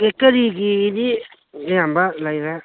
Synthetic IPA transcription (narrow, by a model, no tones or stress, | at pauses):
ekəɾiɡiːdi | jambalajɾa